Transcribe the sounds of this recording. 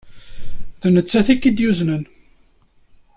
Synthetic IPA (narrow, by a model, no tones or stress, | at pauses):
ðənət͡sːæθikːid̪juznən